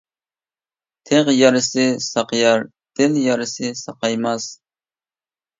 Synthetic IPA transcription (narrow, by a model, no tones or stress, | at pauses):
t̪ʰeʁjɑɾɨsɪsɑqjɑɾ | d̪̥ɪnjɑɾɨsɪsɑqɑjmɑs